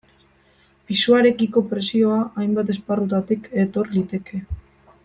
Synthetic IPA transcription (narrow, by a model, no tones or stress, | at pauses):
pisuaɾe̞kiko̞pɾe̞sio̞aʔajmbat̪e̞sparut̪at̪ike̞t̪o̞ɾlit̪e̞ke̞